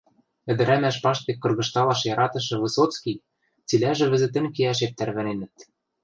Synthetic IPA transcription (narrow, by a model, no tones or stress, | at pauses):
ɘ̆d̪ɘ̆ɾæmæʃpɑʃt̪ekːɤ̆rɣɤ̆ʃt̪ɑlɑʃjɑɾɑt̪ɤ̆ʃ̬ɤ̆βɤ̆sot̪t͡skij | t͡silæʒɘ̆βɘ̆zɘ̆t̪ɘ̆nkiæʃet̪̚ːæɾβæ̆nenɘ̆t̪̚